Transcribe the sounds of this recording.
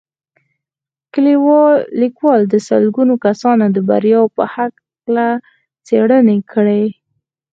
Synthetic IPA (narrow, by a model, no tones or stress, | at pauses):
kəliwɑlːikwɑld̪əsə̰lɡunokasɑnod̪əba̰ɾjɑwpəhak | la | t͡seɽənekʰəɽe